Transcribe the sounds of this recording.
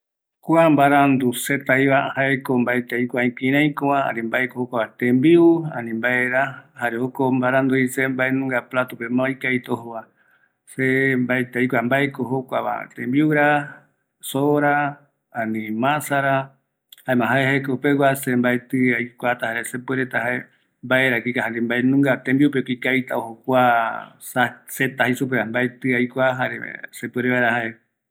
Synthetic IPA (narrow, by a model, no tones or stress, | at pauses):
kwambaɾand̪uset̪ajβahaekombaet̪eikʷaĩkĩɾãĩkõwãha̰nĩmbaekohokʷaβat̪ẽmbiuã̰nĩmbaeɾahaɾeokombaɾãnd̪uisembaenũŋɡaplat̪opemãojkait̪ohoa | sembaet̪ejkʷambaekohokʷaβa̰t̪ẽmbiuɾa | soɾa | ãnĩmãsaɾa | haemãɦaehekopewasembaet̪ɨajkʷat̪ahaɾesep̬ueɾet̪aɦae | mbaeɾakikaɦaɾembaenũŋɡat̪ẽmbiupekikajt̪aohokʷa | saset̪ahisup̬eambaet̪ɨajkʷaɦaɾḛsepueɾeβaɾahae